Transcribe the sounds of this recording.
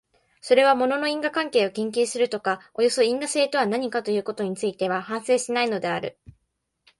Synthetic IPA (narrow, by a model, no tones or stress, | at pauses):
so̞ɾe̞β̞amo̞no̞no̞ĩŋɡakãŋke̞ːo̞kẽŋk̬ʲɨːsɨɾɯ̟t̪o̞kao̞jo̞so̞ĩŋɡaseːt̪o̞βanaɲ̟ikat̪o̞jɯ̟ːko̞t̪o̞ɲ̟it͡sɨit̪e̞β̞ahãɰ̃se̞ːɕinaino̞d̪e̞aɾɯ̟